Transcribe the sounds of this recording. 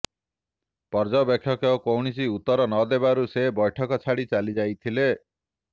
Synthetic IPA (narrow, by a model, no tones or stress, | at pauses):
pɔɾd͡ʒɔbekʰːjɔkjɔkowɳisiut̪ːɔɾɔnɔd̪ebaɾusebɔjʈʰɔkɔt͡ʃʰaɽit͡ʃalid͡ʒajt̪ʰile